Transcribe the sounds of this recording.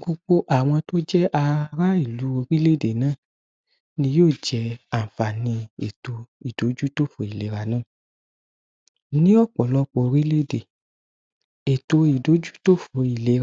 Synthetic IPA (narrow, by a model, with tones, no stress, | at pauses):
ɡo˧k͡po˦ʔa˦˨w̃ɔ̃˧to˦d͡ʒɛ˦ʔa˧ɾa˦i˦˨lu˨˦o˧ɾi˦le˦˨de˨nãː˦˨ | nĩ˧˦joː˦˨d͡ʒɛ˧˦a˨fa˨nĩ˧e˨to˧i˨do˨˦d͡ʒu˦to˦fo˨i˨le˨˦ɾa˨nã˦˨ | nĩ˦ɔ˦˨k͡pɔ˨lɔ˦k͡po˧o˧ɾi˦le˦˨de˨ | e˨to˧i˨do˨˦d͡ʒu˦to˦fo˧i˨le˨˦ɾ